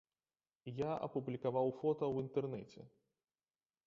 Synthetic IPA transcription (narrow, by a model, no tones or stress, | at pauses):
jaʔɐ̰publʲikavawfɔt̪ɐwint̪ɛrnɛt͡sʲɛ̰